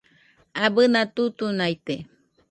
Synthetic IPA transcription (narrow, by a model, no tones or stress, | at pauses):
abɨnat̪ut̪unajt̪e